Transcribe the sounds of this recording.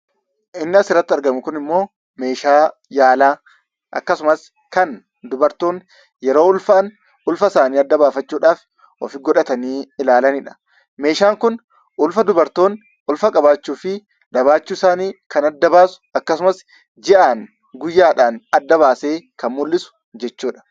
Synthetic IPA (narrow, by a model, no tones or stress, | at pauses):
ʔɪnːɪɐsɪrːɐt̪ːɪɐɾɡɐmʊkʊnɪmːo̞ː | me̞ːʃaː | jaːlaː | ʔɐ̰kːɐsʊmɐs | kɐn | d̪ʊbɐɾt̪o̞ːŋ | jɛɾo̞ːʊlfɐɐn | ʊlfɐsaːniːɐd̪ːɐbaːfɐt͡ʃːuːᶑaːf | ʔɔ̰fɪɡɔᶑɐt̪ɐniːɪlaːlɐnɪᶑɐ̥ | me̞ːʃaːŋkʊn | ʔʊlfɐd̪ʊbɐɾt̪o̞ːn | ʔʊlfɐkʼɐbaːt͡ʃːuːfɪ | d̪ɐβaːt͡ʃːuːɪsaːniːkɐnɐd̪ːɐbaːsʊ̥ɐkːɐsʊmɐs | d͡ʒɪʔaːŋ | ɡʊjːaːᶑaːnɐd̪ːɐβaːse̞ːkɐnmʊlːɪsʊ̥ | d͡ʒɛt͡ʃːuːᶑɐ̥